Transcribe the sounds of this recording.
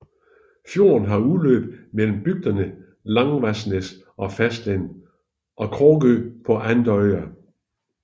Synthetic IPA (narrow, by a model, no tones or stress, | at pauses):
fjo̝ːɐnɦɑ̈uðˠlø̰ːb̥mel̰m̩b̥yɡ̥̚d̥ɐnə | lɑ̈ŋʋæsnəs | ʔɒ̽fæsd̥len̰ | ʔɒ̽kʰɒːɡ̥øpʰɒ̽ʔænd̥ɒɪɐ